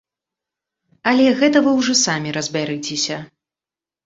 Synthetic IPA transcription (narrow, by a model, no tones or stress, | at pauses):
ɐlʲɛɣɛt̪ɐvɨwʐɔsamʲiɾɐzʲbʲaɾɨt͡sʲesʲɐ